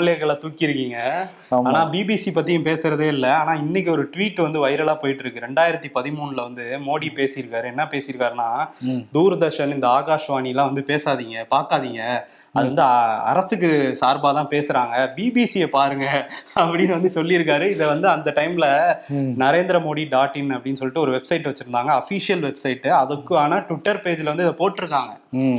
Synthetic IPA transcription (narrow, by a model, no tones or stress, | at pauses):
ɐleɣɐɭaːt̪uːkːɪɾɯkːiːŋɡɐ | aːnãːbiːbisipɐt̪ːijʊ̃mpeːsɪɾɐðeːɪlːɐaːnaːɪnːɪk̬ʲːɔɾɯʈʋiːʈːɯʋɐnd̪ɯʋɐɪɾɐlaːpoːjɪʈːɪɾɯkːɯɾɛɳɖaːjɪɾɐt̪ːipɐðɪmuːɳlɐʋɐnd̪ɯmoːɽipeːsɪjɪɾɯkːaːɾɯɛnːɐpeːsɪjɪɾɯkːaːɾnãːd̪uːɾɯd̪ɐɾʂɐnɪnd̪ɐaːɣaːʂʋaːnijɐlːãːʋɐnd̪ɯpeːsaːðiːŋɡɐpaːɾkaːðiːŋɡɐ | ɐðɯʋɐnd̪ɯɐ̰ɾɐsɯk̬ːɯsaːɾbaːt̪ãːpeːsɯɾaːŋɡɐbiːbiːsijɐpaːɾɯŋɡɐɐpːɐɽɪnːɯʋɐnd̪ɯsɔlːɪɪɾɯk̬ːaːɾɯɪðɐʋɐnd̪ɯɐnd̪ɐʈɐɪmɪlɐnɐɾeːnd̪ɪɾɐmoːɽiɖaːʈːɪnɐpːɐɽɪnːɯsɔlːɪʈːɯɔɾɯʋɛbsɐɪʈːʋɐt͡ʃːɯɾɯnd̪aːŋɡɐɐfisɪjɐlʋɛbsɐɪʈːɯɐðɯkːɯaːnaːʈɪʈːɐɾpeːd͡ʒɪlɐʋɐnd̪ɯɪðɐpoːʈːɪɾɯkːaːŋɡɐ